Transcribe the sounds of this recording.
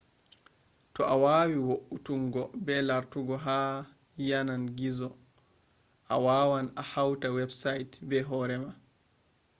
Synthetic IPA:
tɔʔawaːwiwoʔutuŋɡɔbɛlaɾtuɡɔɦaː | jananɡizɔ | ʔawaːwanahawtawɛbsajtbɛɦɔːɾɛma

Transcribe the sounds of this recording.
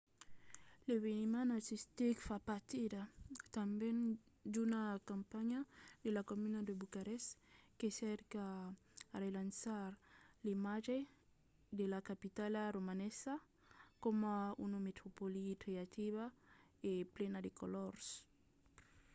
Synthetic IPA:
leβenimanaɾsist̪ikfapaɾt̪idat̪ambend̪unakãmpaɲad̪elakomynad̪ebukaɾɛskesɛɾkaː | relansaɾlimaʒe | d̪elakapit̪alaromanesa | komaunomet̪ɾopolitɾeat̪iβaeplenad̪ekolɔɾs

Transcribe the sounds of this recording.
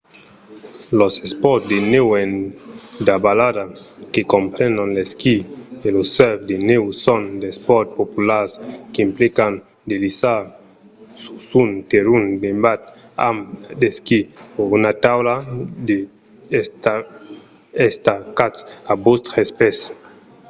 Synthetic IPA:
losespɔɾt̪d̪enewen | d̪abaladakekompɾɛnd̪anleskielosːɛfd̪enewsɔnd̪espɔt̪̚populaɾskeimplikan | d̪elisa | su̥sunt̪eɾunbembat̪a̰md̪eskipoɾunat̪awlad̪e | st̪a | est̪akat̪sabost̪ɾespɛs

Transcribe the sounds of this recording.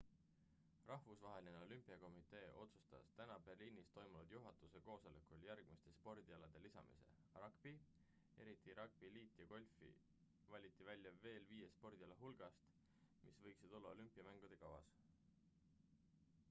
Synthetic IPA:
rɑhvusvɑɦe̞lineo̞lympːˑiɑko̞mit̪ˑe̞ːʔo̞t̪su̥st̪ɑ̰st̪ænɑbe̞rliːnist̪o̞jmunud̪̥juɦɑt̪ˑuse̞ko̞ːso̞lekuljærɡ̥mist̪e̞spo̞rd̪̥iɑlɑd̪̥e̞lisɑ̰mḭse̞̰ | rɑɡ̥b̥i | e̞ɾit̪ˑiɾɑk̚b̥iliːt̪ːˑjɑko̞lʲfḭ | vɑlʲit̪ˑːivælʲjɑve̞ːlviːje̞spo̞rd̪̥iɑlɑɦulɡ̥ɑst̪ | misvɤjksid̪̥o̞lːɑolympːˑiɑmæŋɡ̥ud̪̥e̞kɑwɑ̰s

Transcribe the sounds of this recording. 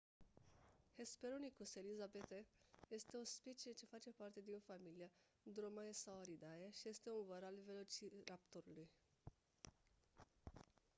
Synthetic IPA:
he̞speɾonikuselizabet̪eje̞st̪e̞ospit͡ʃiet͡ʃe̞fat͡ʃe̞part̪e̞d̪infamilia | d̪ɾomaesawaɾid̪ajaʃije̞st̪e̞unvəɾalve̞lo̞t͡ʃiɾapt̪oɾuluj

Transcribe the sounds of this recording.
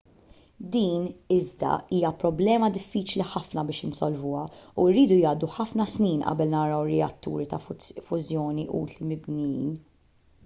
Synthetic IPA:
d̪iːnɪzd̪ɐ̰iːjɐpɾɔblɛːmɐd̪ɪfːiːt͡ʃliħɐfnɐbɪːʃɪnsɔlvʊːɐuɾːiːd̪ujɐːd̪uħɐfnɐsniːnʔɐ̰bɛlnɐɾɐwɾɛɐ̰t̪ːṵːɾit̪ɐfʊzjɔːniʔṵːt̪limɪbnjḭːn

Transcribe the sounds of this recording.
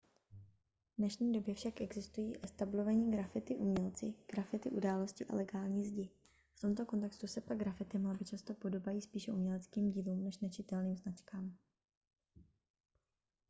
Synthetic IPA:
vnɛʃɲiːdo̞bjɛfʃakʔɛɡzɪst̪ujḭːʔɛst̪ablo̞vaɲiːɡɾafɪt̪ɪʔumɲɛlt͡sɪɡ̥ɾafɪt̪ɪʔudaːlo̞scɪʔa̰lɛɡaːlɲiːzɟɪ | ft̪o̞mt̪o̞ko̞nt̪ɛkst̪usɛpaɡ̚ɡɾafɪt̪ɪmalabɪt͡ʃast̪o̞po̞do̞bajiːspiːʃɛʔumɲɛlɛt͡skiːmɟiːluːmnɛʃnɛt͡ʃɪt̪ɛlniːmznat͡ʃkaːm

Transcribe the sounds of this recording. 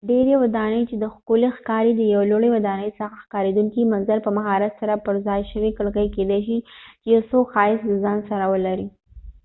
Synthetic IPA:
ɖeɾewad̪ɑnəjt͡ʃed̪əxkulexkɑɾid̪əjawloɽewad̪ɑnəjsəxaxkɑɾed̪uŋkimanzalpəmaɦɑɾat̪saɾapəɾzɑjʃəwikəɽkəjked̪aʃit͡ʃejawsokxɑɪsləzɑnsaɾawəlaɾi

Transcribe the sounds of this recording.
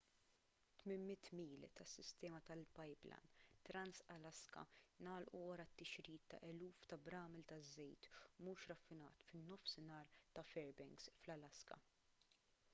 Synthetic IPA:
t̪mɪnmɪt̪ːmiːlt̪ɐsːɪst̪ɛːmɐt̪ɐlpɐjblɐ̰nt̪ɾɐnsɐlɐskɐ̰nɐːlʔuwɐɾɐt̪ːɪʃɾiːt̪ːɐ̰ʔɛluːft̪ɐbɾɐːmɛlt̪ɐzːɛjt̪muːʃɾɐfːɪnɐ̰ːt̪fɪnːɔfsɪnɐːɾt̪ɐfɛɾbɛŋksflɐlɐskɐ̰

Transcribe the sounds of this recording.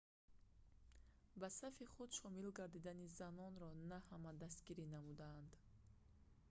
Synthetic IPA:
basafiχud̪ʃɔmilɡaɾd̪id̪anizanɔnɾɔnahamad̪ast̪ɡiɾinamud̪aːnd̪

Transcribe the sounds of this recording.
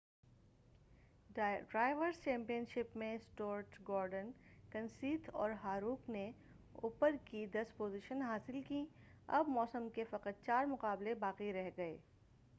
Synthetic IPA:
ɖɾaːɪʋəɾst͡ʃɛ̃ːmpijənʃɪpmẽsʈoːɾʈɡɔːɾɖənkɐ̃nsiːt̪ʰɔ̰ːɾɦaːɾuːkne | ṵːpəɾkid̪ɐspoːziʃənɦaːsɪlki | ɐ̰bmɔːsəmkefɐqət̪̚t͡ʃaːɾmʊqaːblebaːqiɾɛɦɡɐḛː

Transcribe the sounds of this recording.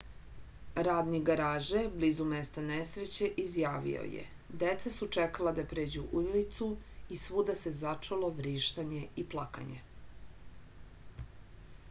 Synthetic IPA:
ɾaːd̪niɡaɾaːʒeblizumest̪anesɾet͡ɕeʔizjaːʋḭo̰jḛ | d̪et̪sasut͡ʂekalad̪apɾeːd͡ʑuʔulit̪suisʋud̪ase̞zat͡ʂoloʋɾiːʃt̪aɲe̞iplˠaka̰ɲḛ

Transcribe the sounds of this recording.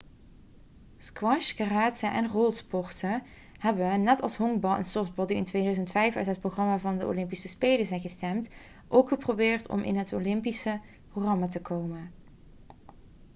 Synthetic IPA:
skwɑʃxaraːtsəʔɛnrolˠspɔɹtə | ɦɛbənɛtɑ̰lˠsɦɔŋbɑlˠʔə̰nsɔfd̚bɔlˠdiɪntʋejdœzəntfɛjfœ̰ɥtɦət̚proχrɑmaːvɑndəʔo̰lɪmpisəspejləzɛjnɣəstɛmt | ʔowkχəprobɪːrtʰɔ̰mʔɪ̰nɦətolɪmpisə | proχrɑmatəkʰowmən

